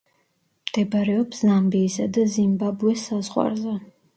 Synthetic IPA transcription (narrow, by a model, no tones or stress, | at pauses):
md̪̥ɛbɾɛɔpszambiːsad̪azimbabuɛsːazʁwa̰ɾzɛ